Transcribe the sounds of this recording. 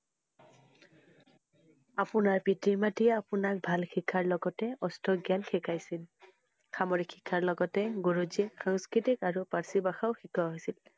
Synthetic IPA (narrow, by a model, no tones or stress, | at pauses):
apʊnaɹpitimatijɛapʊnak̚bʱalxʰikʰːaɹlɔɡɔtɛɔstʰɔɡjankʰɛkʰajsil | xamɔɹikʰːikʰːaɹlɔɡɔtɛɡoɹozixaŋskɹitikaɹupaɹsibaxaʊxikʰɔɦojsil